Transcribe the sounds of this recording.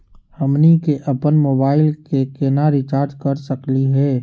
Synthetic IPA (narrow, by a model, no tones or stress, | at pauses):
həmnikeʔəpənmoːbaːɪlkekenaɾɪt͡ʃaːɾd͡ʒ̪kəɾsəkliɦɛː